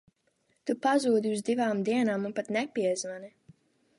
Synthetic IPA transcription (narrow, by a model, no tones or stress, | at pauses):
t̪upazuːd̪iuzd̪ivaːmd̪iɛnaːmunpat̪nɛpiɛzvani